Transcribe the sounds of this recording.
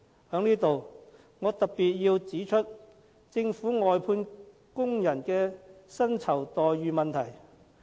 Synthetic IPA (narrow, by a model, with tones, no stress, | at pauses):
hœː˨˥ŋniː˥t̪o˨w | ŋɔː˨˧t̪ɐ˨k̚pːiː˨t̚jiː˧wt͡siː˨˥t͡ʃʰɵ˥t̚ | t͡sɪ˧ŋfuː˨˥ŋɔː˨jpʰuː˧n | kʊ˥ŋjɐ˨˩nkɛː˧sɐ˥nt͡sʰɐ˨˩wt̪ɔː˨jɥyː˨˧mɐ˨nt̪ʰɐ˨˩j